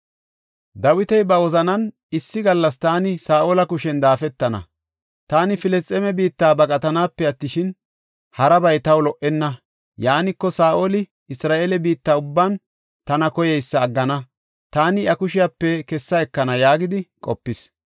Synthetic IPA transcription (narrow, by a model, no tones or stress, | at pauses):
d̪ɐwɪt̪ɛjbɐwɔzɐnɐn | ɪsːɪɡɐlːɐst̪aːnɪsaːʔoːlɐkʊʃɛnd̪aːfɛt̪ːɐnɐ̰ | t̪aːnɪfɪlɛst̪ʼːɛmɛbiːt̪ːaːbɐkʼɐt̪ɐnaːpːɛɐt̪ːɪʃɪn | hɐɾɐbɐjt̪ɐwlɔʔɛnːɐ | jaːnɪkːɔsaːʔolɪ | ɪsɾaːʔeːlɛbiːt̪ːaːʊbːan | t̪ɐnɐkɔjɛjsːɐːɡːɐnɐ | t̪aːnɪʔɐkʊʃɪjapːɛkɛsːɐɛkːɐnɐjaːɡɪd̪ɪkʼɔ̰pːɪs